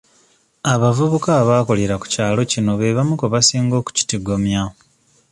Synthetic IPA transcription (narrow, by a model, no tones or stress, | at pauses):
aβavuβukaːβaːko̞leɾaku̥caːlo̞cino̞βe̞βamukoβasiːŋɡo̞ːku̥ci̥tiɡomja